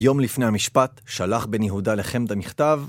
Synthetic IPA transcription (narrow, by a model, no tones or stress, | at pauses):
jo̞mlifnehamiʃpatʃalaχbe̞njeɦudale̞χemd̪amiχt̪av